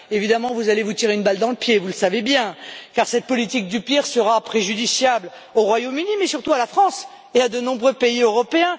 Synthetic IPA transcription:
evid̪amɑ̃vuzalevut̪iʁeynbald̪ɑ̃ləpjevuləsavebjɛ̃kaʁsɛt̪̚pɔlit̪ik̚d̪ypiʁsəʁapχeʒyd̪isjabl | oʁwajomynimɛsyʁt̪ualafχɑ̃s | ead̪ənɔ̃bʁøpeiøʁɔpeɛ̃

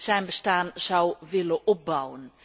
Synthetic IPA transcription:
z̥ɛjnbəstaːnz̥ɑwʋɪləʔɔp̚bɑwən

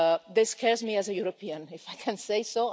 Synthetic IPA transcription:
ðɪskʰɛɹzmiæzəjuɾopʰiə̃nɪfajkʰæ̃nseɪso

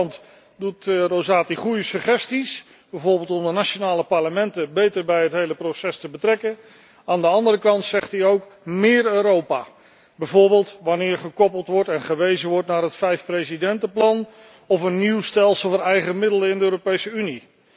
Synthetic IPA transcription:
nt | dutrozaːtiχujəsəχɛstis | b̥ɛjvoːɹbeːlˠtɔmdənaʃonaːləpɑɹləmɛntəbejtəɹbɛjɦətɦejləprosɛstəbətrɛkə | aːndəɑndəɾəkɑntsɛχtɦiowkmɪːɹøːɾowpa̰ː | bɛjvoːɹbeːlˠtʋɑnɪːɹχəkɔpəlˠtʋɔɹtɛnχəʋejzəʋɔɹtnaːɹɦətfɛjfprezidɛntəplɑn | ɔfənːiwstɛlˠsəl̩ˠvəːɹɛjχəmɪdələɪndəøːɾopejsəyni

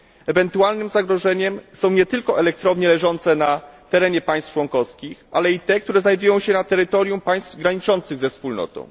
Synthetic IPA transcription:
ɛvɛnt̪ualnɘmzaɡɾɔʐɛɲɛmsɔ̃w̃ɲɛt̪ɘlkɔʔɛlɛk̚t̪ɾɔvɲɛlɛʐɔnt̪sɛnat̪ɛɾɛɲɛpaj̃st̪t͡ʂwɔŋkɔskʲixalɛit̪ɛk̚t̪uɾɛznajd̪ujɔ̃w̃ɕɛnat̪ɛɾɘt̪ɔɾʲjumpaj̃st̪ɡɾaɲit͡ʂɔnt̪sɘɣzɛfspulnɔ̰t̪ɔ̰̃w̃

